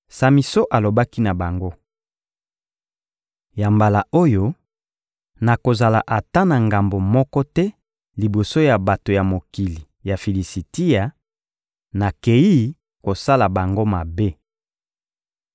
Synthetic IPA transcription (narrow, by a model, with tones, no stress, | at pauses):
sa˨mi˨so˦ʔa˨lo˨ba˦ki˦na˨ba˨ŋɡo˦ | ja˨mba˨la˨o˦jo˦ | na˨ko˨za˨la˨ʔa˨ta˦na˨ŋɡa˨mbo˨mɔ˦kɔ˦tɛ˦ | li˨bo˨so˦ja˨ba˨to˨ja˨mo˨ki˨li˨ | ja˨fi˨li˨si˨ti˦ja˨ | na˨ke˨i˦ | ko˨sa˦la˨ba˨ŋɡo˦ma˨be˦